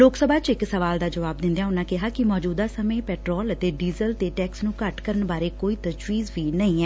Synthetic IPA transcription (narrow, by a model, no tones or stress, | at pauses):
loːksəbʱaːt͡ʃɪksəʋaːld̪aːd͡ʒəʋaːb̚d̪ɪ̃nd̪ejãːʊnːãːkɪɦaːkɪmɔːd͡ʒuːd̪aːsəmẽːpɛːʈɾɔːlət̪eːɖiːzəlt̪eːʈɛːksnũːkəʈkəɾənbaːɾeːkoːiːt̪əd͡ʒʋiːzʋiːnəĩːɛː